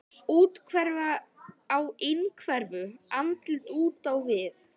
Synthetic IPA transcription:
uːt̪kʰvɛɾvaː | wɪnkʰvɛɾvʏamt̪lt̪uːt̪awvɪθ

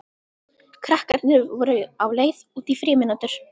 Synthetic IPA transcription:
kʰɾahkaɾt̪nɪvɔɾʏawleːjðuːt̪ifɾɪːmɪnat̪ʏɾ̥

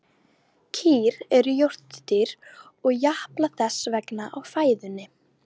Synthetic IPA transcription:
cʰiːɾɛɾʏjowr̥t̪t̪iɾ̥ | ɔɣjahplaθɛsvɛknaʔawfaːjðʏnːɪ

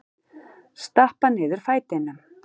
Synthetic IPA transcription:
st̪ahpanɪːðʏɾ̥faːjt̪ɪnʏm

